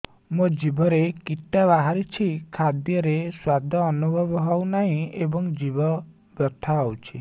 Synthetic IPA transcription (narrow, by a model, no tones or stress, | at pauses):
mũd͡ʒibɔɾekiʈːaβaɦaɾit͡ʃʰikʰad̪jɔɾeswad̪ʱɔːnubʱɔbɔɦɔwnaɦĩebɔŋd͡ʒibɔ | bjɔt̪ʰaɔwt͡ʃʰi